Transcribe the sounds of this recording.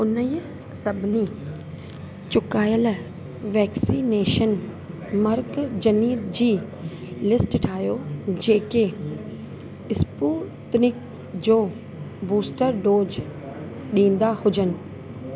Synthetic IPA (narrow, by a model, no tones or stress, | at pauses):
ʊnə | sɐbʱɪni | t͡ɕʊkaːjəl | ʋɛːksineːʃən | mɐɾkd͡ʑɐniːd̪d͡ʑiː | lɪsʈɪʈʰaːjod͡ʑeːke | ɪspuː | t̪nik | d͡ʑoː | buːsʈəɾɖoːd͡ʑ | ɗĩːn̆d̪ahʊd͡ʑənɪ̆